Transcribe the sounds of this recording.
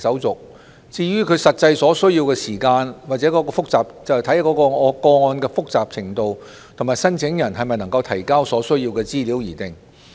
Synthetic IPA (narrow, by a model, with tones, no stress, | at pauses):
sɐ˨˥wt͡sʊ˨k̚ | t͡siː˧ɥyː˥kʰɵ˧ɥsɐ˨t̚t͡sɐ˧jsɔː˨˥sɵ˥ɥji˧wkɛː˧siː˨˩kaː˧nwa˨t̚t͡sɛ˨˥kɔː˨˥kɔː˧fʊ˥k̚t͡saː˨p̚t͡sɐ˨˩t̪ʰɐ˨˥jkɔ˨˧˥kɔː˧ŋɔː˨˧kɔː˧ŋɔː˧nkɛː˧fʊ˥k̚t͡saː˨˩p̚t͡sʰɪ˨˩ŋt̪o˨w | t̪ʰʊ˨˩ŋmaː˨˩jsɐ˥nt͡sʰɪ˨˥ŋjɐ˨˩nɦɐ˨˩jmɐ˨jnɐ˨˩ŋkɐ˧wt̪ʰɐ˨˩jkaː˥wsɔː˨˥sɵ˥ɥjiː˧wkɛː˧t͡siː˥liː˨˥wjiː˨˩t̪ɪ˨ŋ